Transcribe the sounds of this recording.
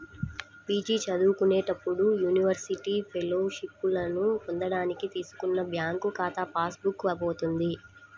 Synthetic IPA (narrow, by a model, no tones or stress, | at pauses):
piːd͡ʒit͡ʃɐd̪uːkuneːʈɐpːuɽujuːniʋɐɾsiʈiːpʰeloːʂipːulɐnupɔnd̪ɐɽaːnikit̪iːsu̥kunːɐbjaːŋkukaːt̪ɐpaːsbukːʋɐboːt̪und̪i